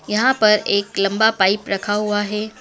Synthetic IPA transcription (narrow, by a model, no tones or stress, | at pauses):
jɐɦãpɐɾeːklɐ̃mbapaːɪpɾɐkʰaːuaːɦeː